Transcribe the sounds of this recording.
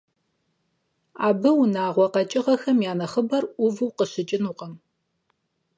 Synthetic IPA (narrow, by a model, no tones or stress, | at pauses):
aːbɨwnaːʁʷɔqɐt͡ʃʼɪʁɐxɐmjaːnɐχəbɐrʔʷʊvɨwqəɕɪt͡ʃʼɪnuːqʼɐm